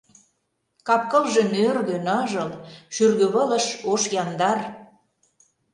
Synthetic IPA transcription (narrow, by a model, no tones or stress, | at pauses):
kɑp̚kɤ̆lʒĕnørɣønɑʒɤlʃyrɣøβɤ̆lə̆ʃoʃjɑnd̪ɑr